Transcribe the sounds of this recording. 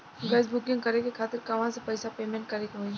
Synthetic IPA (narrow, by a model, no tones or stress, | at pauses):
ɡɐsbʊkɪ̃ŋɡkɐɾekekʰaːt̪ɪɾkɐʋ̤ãsepɐɪsapeːmẽːɳʈ̚kɐɾekɦoĩ